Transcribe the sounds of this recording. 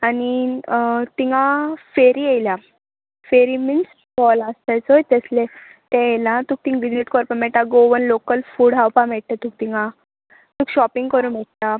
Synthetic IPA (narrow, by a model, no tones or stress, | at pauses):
ani | t̪iŋafeɾiejlja | feɾimins | kɔləst̪ajt͡sɔjt̪əsle | t̪ɛ̃jlãt̪uːk̚t̪ĩŋʋid͡ʑeʈkɔɾpəmɛʈ̪aɡoʋənlokəlfuːɽɦawpãmɛɽt̪at̪uk̚t̪iŋa | t̪uːkɕɔpiŋɡkəɾũnmɛʈ̚t̪a